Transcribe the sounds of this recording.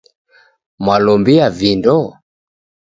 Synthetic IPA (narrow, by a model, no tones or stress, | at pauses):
mwalɔmbiavindɔ